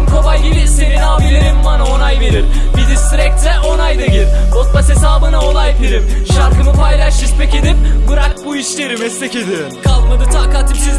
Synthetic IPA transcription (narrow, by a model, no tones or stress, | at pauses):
mkʰo̞bajɟibise̞ninaːmilʲeɾimmanao̞najve̞ɾiɾ | bid̪isiɾɛc̚t̪lɛʔo̞najd̪aɟilʲot̪̚pase̞s̬aːbɯnao̞lˠajveɾip̚ʃaɾkʰɯmɯpʰajlʲˠaʃʃispʰɛce̞d̪ip̚ɡuɾalʲbuiʃlʲeɾimɛslʲece̞d̪ɪ | kʰalˠmad̪ɯt̪ʰaːkat̪ʰɯpsiz